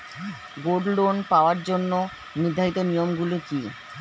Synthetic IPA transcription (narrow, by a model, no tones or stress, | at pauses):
ɡoɖlonpaoaɾd͡ʑonːo | nid̪ʱaɦit̪onijomɡuloki